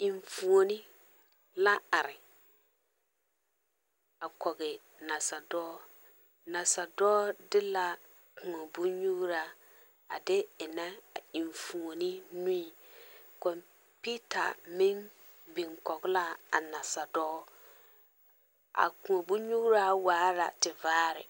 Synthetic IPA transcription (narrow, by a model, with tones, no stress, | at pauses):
i˨ɱfu˨o˨nɪ˦ | la˦a˨ɾɪ˨ | a˨kɔ˨ɣɛ˨ | na˨sa˨dɔː˦ | na˨sa˨dɔː˦dɪ˦la˦ | kʊ˨a˨bu˦ɲu˦ɡɾa˦˨ | a˨dɪ˦ɪ˨nɛ˦a̰˨i˨ɱfu˨o˨nɪ˦nũ˦i˨kɔ˨m | pi˦ta̰˨mɪ˦n | bɪ˨ŋkɔ˨ɡla˦a̰˨na˨sa˨dɔː˦ | ʔa̰˨kʊ̃˨o˨bu˦ɲu˦ɡɾa˦waː˨˦la̰˨tɪ˨vaː˦ɾɪ̰˨